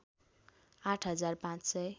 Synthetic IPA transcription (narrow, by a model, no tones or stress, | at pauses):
ãʈʰɦʌd͡zarpãt͡ssʌj